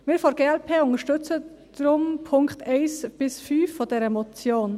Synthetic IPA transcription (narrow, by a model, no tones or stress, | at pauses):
mɪːɾfoɡeːɛlpʰeːʊŋəʃtʏt͡sə | d̥ɾʊmpʰʊŋkχtɛɪsb̥ɪsfyːfːodɛɾəmot͡sjoːn